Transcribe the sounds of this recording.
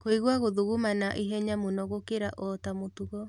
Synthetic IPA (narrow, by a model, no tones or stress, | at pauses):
koiɣwaɣoðuɣumanaʔiɦɛɲamonɔɣokeɾaʔɔtamotuɣɔ